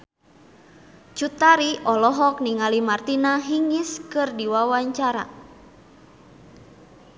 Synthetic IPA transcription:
t͡ʃut̪aɾiʔɔlɔɦɔk̚niŋalimart̪inaɦiŋiskɨrdiwawaɲt͡ʃaɾa̰

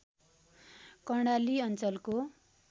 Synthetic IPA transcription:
kʌɽ̃aliʌnt͡sʌlko

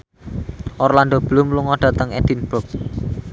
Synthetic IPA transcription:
ʔɔrland̪ob̥əlumluŋɔɖ̥ä̤t̪əŋɛ̰d̪̥inb̥ʊk̚

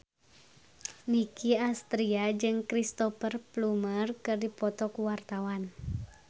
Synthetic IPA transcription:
nikiast̪ɾiad͡ʒɨŋkɾist̪ɔfərplumərkɨrdipɔt̪ɔkuwart̪awan

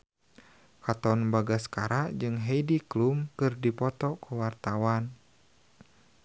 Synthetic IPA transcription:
kat̪ɔnbaɡaskaɾaʔd͡ʒɨŋɦeidiklumkɨrdipɔt̪ɔkʰəwart̪awan

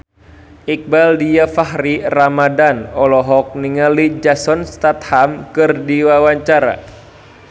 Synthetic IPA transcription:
ʔik̚baldijafaɦɾiramadanɔlɔɦɔk̚niŋalid͡ʒasɔnst̪at̪̚hamkɨrdiwawaɲt͡ʃaɾa̰

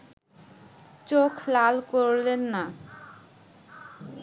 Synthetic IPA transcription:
t͡ɕokʰlalkoɾlenːa

